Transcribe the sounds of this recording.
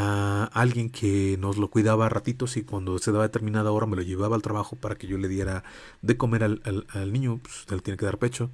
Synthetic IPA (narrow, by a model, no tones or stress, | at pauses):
aalɣje̞ŋkʰe̞no̞zlo̞kwiðaβarat̪it̪o̞sikwand̪o̞seðaβaðe̞t̪eɾmĩnaðoao̞ɾame̞lo̞ʝe̞βaβaːlt̪ɾaβaxo̞paɾakeʝo̞le̞ðje̞ɾa | ðe̞ko̞me̞ɾalalalnĩɲo̞pe̥st̪elet̪jeneke̞ðaɾpe̞t͡ʃo̞